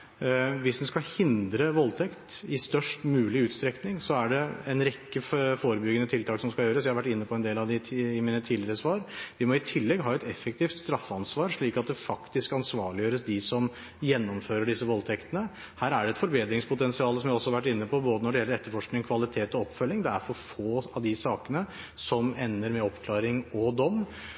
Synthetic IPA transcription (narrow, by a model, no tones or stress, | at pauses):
ʋɪsd̪ɛnskɑhɪnd̪ɾəʋɔlt̪ʰɛkt̪ɪst̪œʂʈmʉːlɪʉːt̪st̪ɾɛknɪŋsɔæɖɛɛnɾɛkːəfoːɾəbʏɡːənət̪ʰɪlt̪ɑːksɔmskɑljøːɾəsjæhɑɾʋæʈːɪnːəpʰɔɛnd̪eːlɑʋd̪ɪɪmiːnət̪ʰiːd̪lɪəɾəsʋɑːɾʋɪmɔɪt̪ʰɪlːɛɡɦɑːɛt̪ɛfːɛk̚t̪ʰiːft̪st̪ɾɑfːəɑnsʋɑːɾʂɭiːkɑt̪̚d̪ɛfɑkt̪ɪskɑnsʋɑːɭɪjøːɾəsd̪ɪsɔm | jɛnːɔmføːɾəɖɪsːəʋɔlt̪ʰɛkt̪ənə | hæːɾæɖɛɛt̪fɔɾbeːd̪ɾɪŋspʰʊt̪ɛnsɪɑːləsɔmjæɔsːɔhɑɾʋæʈːɪnːəpʰɔboːd̪ənɔɖɛjɛlːəɾɛt̪ːəɾfɔʂknɪŋkʰʋɑlɪt̪ʰeːt̪ɔɔpːfœlːɪŋd̪ɛæɾfɔɾfoːɑʋd̪ɪsɑːkənə | sɔmɛnːəɾmɛɔpkʰlɑːɾɪŋɔd̪ɔmː